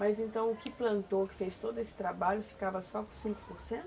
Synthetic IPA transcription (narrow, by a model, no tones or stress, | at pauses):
mazẽnt̪ɐ̃w̃ʊkɪplɐ̃nt̪okɪ̥fejst̪od̪ʊesɪ̥t̪ɾabaʎʊfi̥kavɐsɔkõsĩŋkʊ̥poɾsẽt̪ʊ